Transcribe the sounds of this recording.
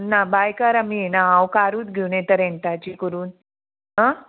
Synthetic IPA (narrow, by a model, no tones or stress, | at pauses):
nabajkaɾaminaãwkaɾuːt̪ɡʱewnẽt̪əɾeɳt̪at͡ɕikəɾuːn | ɦə